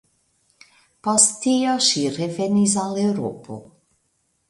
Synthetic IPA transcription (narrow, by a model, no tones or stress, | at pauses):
post̪iaʃiɾevenis̬alewɾo̰pʰo̰